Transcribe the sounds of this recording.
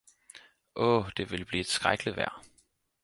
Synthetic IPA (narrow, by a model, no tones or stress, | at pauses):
ʔɔːd̥e̝ʋe̝lb̥liːed̥sɡ̥ʁaɡ̥liʋæɐ̰